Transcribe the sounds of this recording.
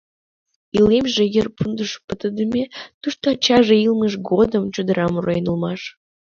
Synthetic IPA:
ilemʒejərpʰund̪əʃpət̪əd̪əmʲet̪uʃt̪ot͡ɕɑʒeilməʃ̬ɡod̪əmt͡ɕod̪əɾʔɑmurɑjnulˠmɑʃ

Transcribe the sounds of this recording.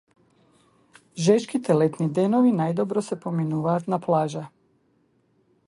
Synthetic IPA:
ʒɛʃkit̪ɛlɛt̪nid̪ɛnɔvinajd̪ɔbɾɔsɛpominuvaːt̪naplˠaʒa

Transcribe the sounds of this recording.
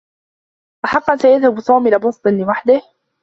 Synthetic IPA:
ʔaħɑqːɑnsajaðhabt̪ˤɑːmilɪbʊsˤt̪ˤɨnlɪwaħd̪ɪh

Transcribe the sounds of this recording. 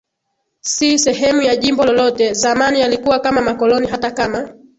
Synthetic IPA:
sisɛɦɛmujaʄimbɔlɔlɔtɛzamanijalikuwakamamakɔlɔniɦatakama

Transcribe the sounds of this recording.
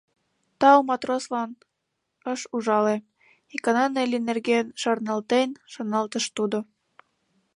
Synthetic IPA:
t̪ɑwumɑt̪roslɑn | əʃuʒɑle | ikɑnɑnelinerɣenʃɑrnɑlt̪enʃonɑlt̪əʃt̪ud̪o

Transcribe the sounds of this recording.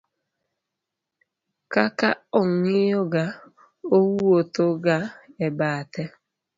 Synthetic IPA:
kakaʊŋijoɡa | owuotoɡaebaatɛ

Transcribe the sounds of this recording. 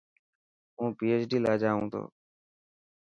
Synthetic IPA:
ũːpiːeːt͡ʃɖiːlaːd͡ʒaːʋũːt̪ʰo̰ː

